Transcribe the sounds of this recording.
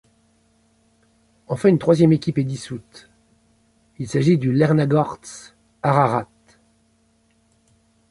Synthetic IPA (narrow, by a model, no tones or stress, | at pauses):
ɑ̃fɛ̃ynt̪χwazjɛmekʲiped̪isut̪ | ilsaʒid̪ylɛʁnaɡɔʁt̪s | aʁaʁat̪